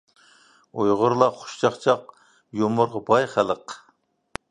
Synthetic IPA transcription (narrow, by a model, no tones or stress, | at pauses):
ojʁʊɾlˠɑχʊ̥ʃt͡ʃʰɑχt͡ʃʰɑq̚ | jomʊɾʁɑbɑjχælˠəq